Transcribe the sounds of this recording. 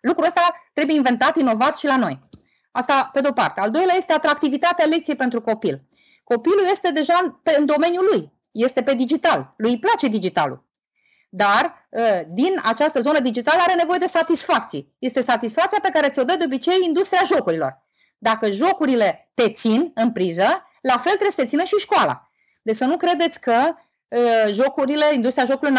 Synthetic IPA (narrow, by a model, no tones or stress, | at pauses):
lukɾuəst̪at̪ɾebuje̞inve̞nt̪at̪ino̞vat̪ʃilano̞̰j | ast̪ape̞d̪eopa̰rt̪eald̪o̞jleaje̞st̪e̞at̪ɾak̚t̪ivit̪at̪ealekt̪siejpe̞nt̪ɾuko̞pil | ko̞piluje̞st̪e̞d̪e̞ʒapeɨnd̪o̞me̞njuluj | je̞st̪e̞pe̞d̪id͡ʒit̪alːujplat͡ʃe̞d̪id͡ʒit̪a̰lṵ | d̪arəd̪ina̰t͡ʃast̪əzo̞nəd̪id͡ʒit̪aləaɾe̞ne̞vo̞je̞d̪e̞sat̪isfak̚t̪sije̞st̪e̞sat̪isfak̚t̪siape̞kaɾe̞t̪sʲo̞d̪əd̪eo̞bit͡ʃe̞jind̪ust̪ɾʲiaʒo̞kuɾilo̞̰r | d̪akəʒo̞kuɾile̞t̪e̞t̪sinɨnpɾizə | lafe̞lt̪ɾesət̪esinəʃiʃkoala̰ | d̪esənukɾe̞d̪e̞t̪sʲkə | ʒo̞kuɾile̞indust̪ɾiaʒo̞kulon